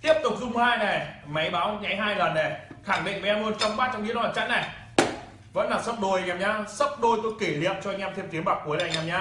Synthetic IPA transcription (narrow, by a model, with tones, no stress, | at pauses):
t̪i˦˥əp̚t̪ʊ˨˩k͡p̚zʊ˧ŋ͡mhaː˧jnɛ˨˩ma˨˦jɓaː˨˦wɲa˨˦jɦaː˧jlə˨˩nːɛ˨˩xaː˧˩ŋɗḭ˧˨nma˨˦ʔɛː˧mʔəː˧nt͡ɕɔ˧wŋ͡mɓaː˦˥t̚t͡ɕwŋ͡mɗḭ˧˦ənwaː˨˩t͡ɕa̰˧˥na˨˩j | və̰˧˥nlaː˨˩sə˦˥p̚ɗo˧˩jɲaː˧˩mɲaː˧sə˦˥p̚ɗo˧jt̪o˧jke˧˩lḭ˧˨əmt͡ɕɔ˧ŋʔɛ˧mt̪ʰmt̪i˨˦ənɓaː˨˩kːu˨˦jna˨˩jɲaː˨˩mɲaː˧